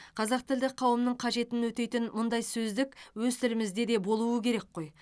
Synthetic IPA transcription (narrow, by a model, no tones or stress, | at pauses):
qʰɑzɑqt̪ʰɪld̪ɪk̚qʰɑwəmnəɴqʰɑʒe̞t̪ɪnwɵt̪e̞jt̪ɪnmʊnd̪ɑjsɵzd̪ɪkwɵzt̪ɪɾɪmɪzd̪e̞d̪e̞bo̞lˠuəkʲʰe̞ɾe̞kqo̞j